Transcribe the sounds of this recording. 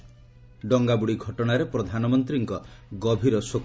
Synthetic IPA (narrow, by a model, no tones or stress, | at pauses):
ɖɔŋɡabuɽiɡʱɔʈɔɽ̃aɾepɾɔd̪ʱanɔmɔnt̪ɾiŋkɔɡɔbʱiɾɔsok